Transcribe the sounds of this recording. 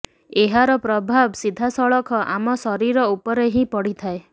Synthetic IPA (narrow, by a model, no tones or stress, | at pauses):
eɦaɾɔpɾɔbʱabsid̪ʱasɔɭɔkʰɔʔamɔsɔɾiɾɔupɔɾeɦĩpɔɽit̪ʰae